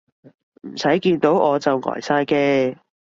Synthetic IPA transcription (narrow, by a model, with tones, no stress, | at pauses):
m̩˨˩sɐ˨˥jkiː˧nt̪o˨˥wʔɔː˨˧t͡sɐ˨wŋɔ̰ː˨˩jsaː˧jkɛː˧